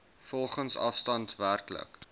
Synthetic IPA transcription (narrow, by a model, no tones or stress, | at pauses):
fɔlˠχənsɐ̰fstɐntværklə̰k